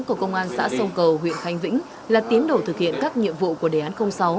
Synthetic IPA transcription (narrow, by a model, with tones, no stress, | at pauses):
ku˧˩əkə˧wŋ͡mʔaː˧nsa̰ː˧˥sə˧wkə˨˩wɦwḭ˧˨ənxa˨˧jŋ̟vḭ̈˧˥ŋ̟ | laː˨˩t̪i˨˦ənɗo˧˩t̪ʰɨ˨˩k̚hḭ˧˨ənkaː˦˥k̚ɲḭ˧˨əmvṵ˧˨ku˧˩əɗeː˨˩ʔaː˨˦nxə˧wŋ͡msa˨˦w